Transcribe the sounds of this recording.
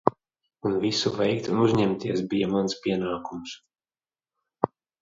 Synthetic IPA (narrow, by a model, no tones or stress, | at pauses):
unvisuvɛjkt̪unuzɲɛmt̪iɛsbijamanspʲiɛnaːkums